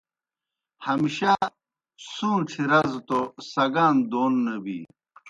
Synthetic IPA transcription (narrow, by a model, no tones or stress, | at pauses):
hɐmiɕa | suːnʈ͡ʂʰiɾɐzt̪osɐɡaːnd̪oːnːɐbḭ